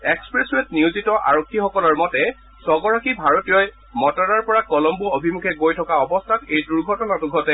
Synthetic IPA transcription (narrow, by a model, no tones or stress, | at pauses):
ekspɹeswet̚niuzitɔʔa̰ɹokʰːixɔkɔlɔɹmɔtɛ | sɔɡɔɹakibʱaɹotijɔj | mɔtɔnaɹpɔɹakɔlɔmbuobʱimukʰɛɡojtʰɔkaɔbɔstʰatejduɹɡʱɔtɔnatʊɡʱɔtɛ